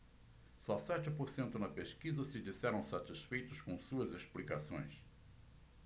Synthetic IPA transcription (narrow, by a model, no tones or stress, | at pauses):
sɔsɛt͡ʃɪpoɾsẽnt̪ʊnɐpeskizɐsɪd͡ʒisɛɾɐ̃w̃sat͡ʃisfejt̪ʊskõw̃suɐzesplikasõ̰j̃s